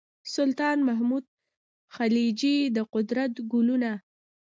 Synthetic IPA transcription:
sʊlt̪ɑnmaɦmud̪̚ | xalid͡ʒid̪əqʊd̪ɾat̪ɡʊluna

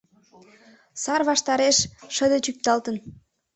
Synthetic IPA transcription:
sɑrβɑʃt̪ɑɾeʃʃəd̪ət͡ɕyk̚t̪ɑlt̪ən

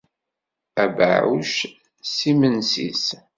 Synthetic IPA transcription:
æba̰ʕṵʃ | simənsḭs

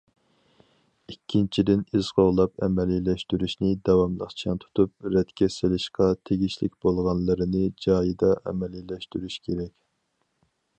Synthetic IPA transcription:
ikʲʰːint͡ʃʰid̪ɪniz̥ʁoʁlˠɑpɛ̰mɛlilɛʃt̪yɾyʃnɪd̪ɑwɑmlˠə̰qt͡ʃʰɛnt̪ʰu̥t̪ʰup̚ɾɛt̪kʲɛsɪlɪʃqɑt̪ʰeɡʲiʃlɪ̰kʲb̥olˠʁɑnlˠəɾɨnɪd͡ʒɑːjid̪ɑʔɛ̰mɛlilːɛʃt̪yɾyʃkʲʰeɾɛkʲ

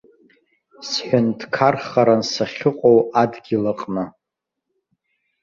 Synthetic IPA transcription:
sħʷᶣʊndkʰarχaɾansaχʲɪqʷʼowadɡʲilɨqʼnɨ

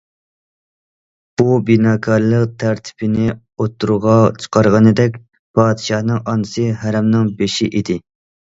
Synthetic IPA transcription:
b̥ubinɑːkʰɑɾlˠəqt̪ʰæɾt̪ʰɪ̥pʰɪnɪ | ot̪ʰːuɾuʁɑt͡ʃʰə̥qʰɑɾʁɑnɨd̪ɛkʲ | pʰɑːd̪ɨʃɑhnɨŋʔɑnɨsɨɦæɾɛmnɨŋbeʃiʔid̪ɪ

